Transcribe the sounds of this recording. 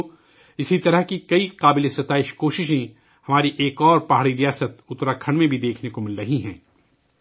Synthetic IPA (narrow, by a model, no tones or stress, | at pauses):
ɪsit̪ɐɾəɦkikɐiqaːbɪlesɐt̪aːɪʃkoːʃɪʃẽ | hɐmaːɾiʔeːkɔːɾpaɦɽiɾijaːsət̪ʊt̪ɾakʰɐɽ̃mẽbʱid̪eːkʰnekomɪlɾɐɦiɦɛ̃ː